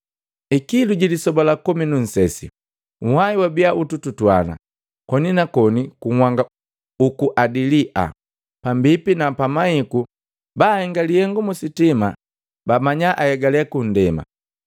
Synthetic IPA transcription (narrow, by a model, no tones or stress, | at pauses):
ikiluɟilisɔbɔlakɔminun̩sɛsḭ | uhaiwabiaʔutututwa̰na̰ | kɔninakɔnikuŋwaŋɡa | ukuʔadiliʔa̰ | pambipinapamahiku | baːhɛŋɡalihɛŋɡumusitima | bamaɲaʔajɛɡalɛkun̩dɛma̰